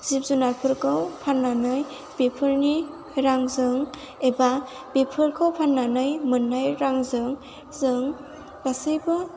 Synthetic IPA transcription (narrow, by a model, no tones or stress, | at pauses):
z̥ip̚zunapʰɯɾkʰawpʰanːanɯj | b̥epʰɯɾni | ɾaŋzɯŋ | eba | bepʰɯɾkʰawpʰanːanɯjmɯnːajɾaŋzɯŋ | zɯŋ | b̥asɯjbɯ